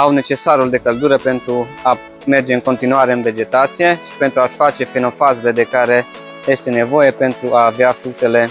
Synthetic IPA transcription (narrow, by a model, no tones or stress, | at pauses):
awne̞t͡ʃe̞saɾuld̪e̞kəld̪uɾəpe̞nt̪ɾua | me̞rd͡ʒe̞ɨŋko̞nt̪inuaɾeɨnve̞d͡ʒe̞t̪at̪sije̞ʃi̥pe̞nt̪ɾuaʃfat͡ʃe̞feno̞fazele̞d̪e̞kaɾe̞ | je̞st̪e̞ne̞vo̞je̞pe̞nt̪ɾuʔaːveafɾuk̚t̪e̞le̞